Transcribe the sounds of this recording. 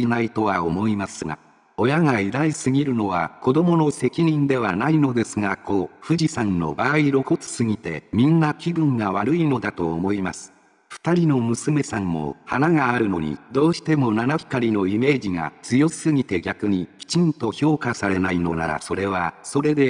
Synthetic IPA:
inait̪o̞β̞aomo̞imasɨŋa̰ | o̞jaŋaid̪aisɨɡʲiɾɯ̟no̞β̞ako̞d̪o̞mo̞no̞se̞kʲiɲ̟ĩnd̪e̞β̞anaino̞d̪e̞sɨɡako̞ɸɯ̟ʑisãnːo̞̰baːiɾo̞ko̞t͡sɨ̥sɨɡʲit̪e̞̰mʲĩnːakʲiɡɯ̟̃ŋɡaβaɾɯ̟ino̞d̪at̪o̞ːmo̞imasɨ̥ | ɸɯ̟̥t̪aɾʲino̞mɯ̟sɨme̞sãmːo̞̰ha̰naɡaːɾɯ̟no̞̰ɲ̟ḭd̪o̞ːɕi̥t̪e̞mo̞nanaçi̥kaɾʲino̞ime̞ːd͡ʑiŋa̰t͡sɨjo̞̥sɨɡʲit̪e̞ɡʲakɯ̟ɲ̟ikʲi̥t͡ɕĩnt̪o̞ço̞ːkasaɾe̞naino̞̰na̰ɾa̰so̞ɾe̞β̞aso̞ɾe̞d̪e̞

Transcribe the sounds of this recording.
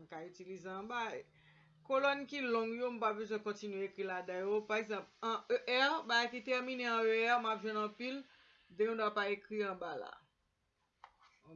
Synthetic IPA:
m̩kaytilizeɑ̃baj | kolɔnkilɔ̃ŋjom̩pabøzwɛ̃kɔ̃tinɥeekʁiladajopaʁeɡzɑ̃pɐ̃øʔɛʁbaɡajkit̪ɛʁmineɐ̃øɛʁmapʒwɛ̃nɐ̃pil | d̪ɛ̃kɔ̃d̪apaekʁiɑ̃bala̰

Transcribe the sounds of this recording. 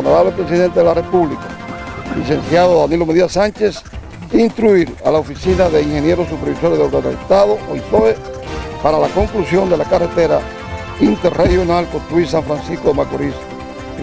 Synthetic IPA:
noɾaβlepɾe̞s̬iðe̞nt̪eðelare̞puβlikalis̬e̞nsjaðoðanilo̞meðiasant͡ʃe̞s | int̪ɾuiɾa̰laofisinaðe̞iŋhe̞nje̞ɾos̬upeɾβiso̞ɾjeðoβɾet̪a̰et̪aðoʔojt̪oe | paɾalako̞ŋklusjo̞nd̪e̞lakaret̪eɾa | int̪eɾrehjo̞nalkont̪ɾuiɾs̬aɱfɾansiskomakoɾis

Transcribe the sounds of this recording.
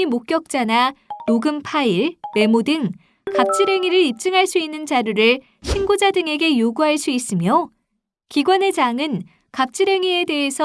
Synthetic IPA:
imok̚k͈jʌk̚t͡ɕ͈ananoɡɯmpʰaiɭme̞modɯŋ | kap̚t͡ɕ͈ʰiɾeŋiɾɯɭip̚t͡ɕ͈ɯŋɦaɭs͈uinːɯnt͡ɕaɾjuɾɯɭ | ɕʰinɡod͡ʑadɯŋe̞ɡe̞joɡuɦaɭs͈uis͈ɯmjo | kiɡwane̞d͡ʑaŋɯn | kap̚t͡ɕ͈ʰiɾeŋie̞de̞ɦesʰʌ

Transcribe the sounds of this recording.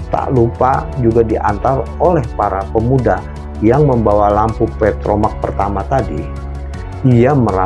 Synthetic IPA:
t̪a̰ʔlupa̰d͡ʒuɡadiʔa̰nt̪arolɛhpaɾapəmuda | jaŋməmbawalampupɛt̪ɾomak̚pərt̪amat̪adi | iaməɾa

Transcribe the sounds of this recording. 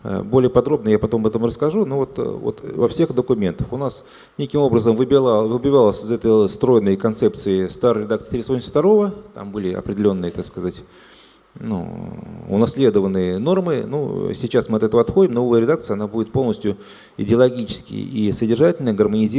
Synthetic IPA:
bolʲɪjəpɐd̪ɾo̞bnəjapɐt̪o̞mɐbɛt̪əmrəskɐʐuno̞vo̞t̪vo̰t̪vɐfsʲe̞xd̪əkʊmʲe̞nt̪ə̥fʊnas | nʲe̞kʲɪmo̞bɾəzəmvɨbʲˠvɨbʲɪvalˠəsʲɪzɛt̪əjst̪ɾo̞jɪnːəjkɐnt̪sɛp̚t̪sɨɪst̪aɾɾʲɪd̪akt̪ɨ̥ɪ̥t̪ʲɾʲɪsponʲft̪ɐɾo̞vət̪a̰mbɨlʲɪɐ̰pɾʲɪdʲɪlʲo̞nːɨjət̪akskɐzatʲ | nṵʊnɐsʲlʲe̞d̪əvənːɨjəno̞rmɨnṵsʲɪt͡ɕasmɨɐt̪ɛt̪əvəɐt̪xo̞dʲɪmnoovəjəɾʲɪd̪ak̚t̪sɨjɐnabudʲɪt̪̚polˠnəsʲtʲjʊ | ɪdʲɪɐlˠɐɡʲit͡ɕɪ̥skʲɪ̰j̰isədʲɪrʐatʲɪlʲnəɡərmənʲɪzʲi

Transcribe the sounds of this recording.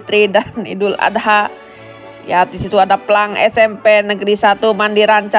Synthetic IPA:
t̪ɾidanḭdula̰daɦa | jadisit̪uadaplaŋɛsɛmpenəɡɾisat̪umandiɾaɲt͡ʃa

